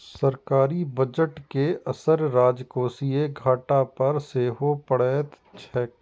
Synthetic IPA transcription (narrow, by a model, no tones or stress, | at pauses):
sɐɾkaːɾibɐd͡ʒəʈkeɐsəɾɾaːd͡ʒkoːsieɡʱaːʈapɐɾseːɦopəɽɛːt̪ | t͡ʃʰɛːk̚